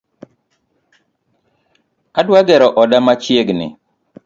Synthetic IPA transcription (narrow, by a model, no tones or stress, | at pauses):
adwaɡɛɾɔʔɔdamat͡ʃjeɡnɪ̰